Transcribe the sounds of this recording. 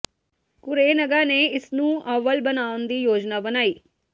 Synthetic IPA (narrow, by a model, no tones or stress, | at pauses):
kʊɾeːnəɡaːneːɪsnũːʔəʋəlbənaːʊnd̪iːjoːd͡ʒnaːbənaːiː